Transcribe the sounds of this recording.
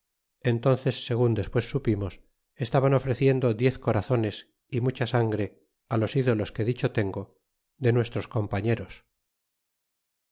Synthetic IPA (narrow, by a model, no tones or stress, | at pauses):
e̞nt̪o̞nθe̞sːe̞ɣ̞und̪e̞spwe̞sːupimo̞s | est̪aβano̞fɾe̞θje̞nd̪o̞ðje̞θko̞ɾaθo̞ne̞s | imut͡ʃasaŋɡɾe̞ | alo̞siðo̞lo̞ske̞ðit͡ʃo̞t̪e̞ŋɡo̞ | ðe̞nwe̞st̪ɾo̞sko̞mpaɲe̞ɾo̞s